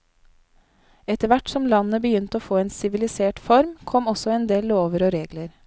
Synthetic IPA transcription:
ɛt̪əʋæʈsɔmlɑnəbəjʏnt̪əoːfoːeːnsɪʋɪlɪseːʈfɔɾmkʰɔmɔsɔeːnd̪eːlloːʋəɾoːɾeːɡləɾ

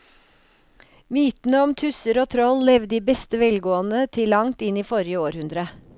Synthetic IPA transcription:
myːt̪n̩əɔmt̪ʰʉsəɾoːt̪ʰɾɔllɛʋd̪iːbɛst̪əʋɛlɡoːənət̪ʰɪlːɑŋt̪ɪniːfɔɾjəoːɾhʉnd̪ɾə

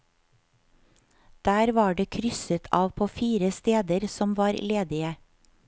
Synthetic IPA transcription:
d̪̥æːɾʋɑːɖeːkʰɾʏsət̪ʰɑːʋpʰoːfiːɾəst̪eːd̪əɾsɔmʋɑːɾleːd̪ɪə

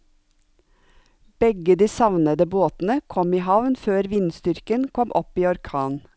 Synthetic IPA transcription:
b̥ɛɡəd̪iːsɑʋnəd̪əboːt̪n̩əkʰɔmiːhɑʋnføːɾʋɪnst̪ʏɾkənkʰɔmʔɔpiːɔɾkʰɑːn

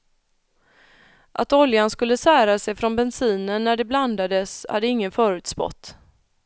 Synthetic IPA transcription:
ʔat̪ɔljanskɵlːəsæːɾasɛjfɾɔnbɛnsiːnənːæɖɛbland̪ad̪əsha̰d̪ːəɪŋːənfœːɾʉ̟ːt̪spɔ̰t̪ː

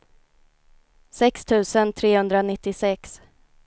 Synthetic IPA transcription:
sɛkst̪ʰʉ̟ːsənt̪ʰɾeːhɵnd̪ɾanɪt̪ːɪsɛks

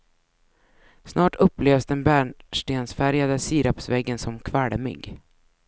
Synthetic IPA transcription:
snɑːʈʰɵpːleːvsd̪ɛnbæːɳʂʈeːnsfæɾjad̪əsiːɾapsvɛɡːənsɔmkʰvaɽmʏ̰ɡ

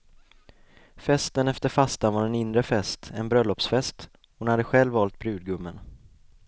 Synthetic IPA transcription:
fɛst̪ənɛft̪əɾfast̪anvaɾɛnɪnd̪ɾəfɛst̪ɛnbɾœlːɔpsfɛst̪ | hʊnhad̪ːəɧɛlvːɑːlt̪̚bɾʉ̟ːd̪̚ɡɵmːən

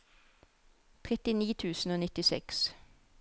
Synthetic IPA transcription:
t̪ʰʁɛt̪ɪniːt̪ʰʉːsn̩oːnɪt̪ɪsɛ̰ks

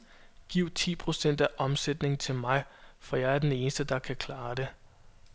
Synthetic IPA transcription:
ɡ̥iʊ̰t͡sʰḭːpʰʁo̝sen̰d̥æʔɒ̽msed̥ne̝ŋ̩t͡sʰe̝lmɑ̈ɪfɒ̽jɑ̈ɪæɐd̥ene̝ːnəsd̥əd̥ɑ̈kʰækʰlɑ̈ːd̥e̝

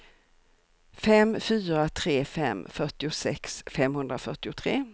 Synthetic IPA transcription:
fɛmfyːɾat̪ʰɾeːfɛmːfœʈɪʊsɛ̰ksfɛmhɵnd̪ɾafœʈɪʊt̪ʰɾeː

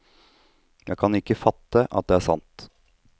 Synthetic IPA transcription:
jæɪkʰɑnɪkːəfɑt̪ːəʔɑ̰t̪̚d̪ɛːæsɑ̰nt̪

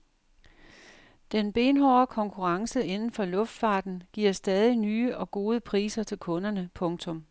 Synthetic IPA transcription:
d̥enb̥e̝ːnɦɒɐkʰɒ̽ŋkʰuʁɑ̈ŋsəe̝nn̩fɒ̽lɔ̽fd̥fɑ̈ːd̥n̩ɡ̥iɐ̰sd̥ɛːð̞ˠinyːəʔɒ̽ɡ̥o̝ːð̞ˠəpʰʁḭːsɐt͡sʰe̝lkʰɔ̽nɐnəpʰɔ̽ŋt͡sʰɔ̽m

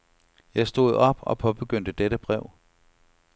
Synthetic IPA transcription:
jɑ̈ɪsd̥o̝̰ð̞̩̰ˠɒ̽b̥ɒ̽pʰɒ̽b̥e̝ɡ̥øn̰d̥əd̥eɾəb̥ʁɛʊ̰

